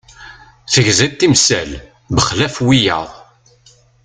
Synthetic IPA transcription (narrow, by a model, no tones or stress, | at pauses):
θəʝzæt̪ːimsæl | bəχlæfwijə̰ðˤ